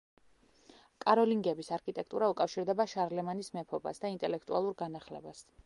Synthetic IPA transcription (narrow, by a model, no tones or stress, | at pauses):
kʼaɾɔliŋɡɛbisaɾkʰʼit̪ʼɛk̚ʰt̪ʼuɾaukʼafʃiɾd̪ɛbaʃaɾlɛmanismɛpʰɔba̰sd̪aint̪ʼɛlɛkʰt̪ʼua̰lˠuɾɡanaχlɛ̰bas